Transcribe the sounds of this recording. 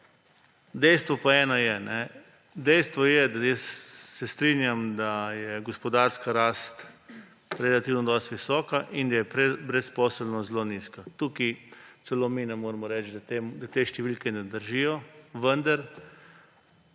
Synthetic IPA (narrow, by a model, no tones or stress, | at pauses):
d̪ɛjst̪ʋɔpaɛːnɔjɛnɛ | d̪ɛjst̪ʋɔjɛd̪ajəsːɛst̪ɾinjamd̪ajɛɡɔspɔd̪aɾskaɾaːst̪ | ɾɛlat̪iwnɔd̪ɔst̪ʋisɔːkaʔind̪ajɛpɾɛbɾɛspɔsəlnɔzloniskat̪ukit͡s̪ɛlominɛmoːɾmɔɾɛt͡ʃd̪at̪emd̪at̪eːʃt̪ɛʋilkɛnɛd̪əɾʒijɔʋənd̪aɾ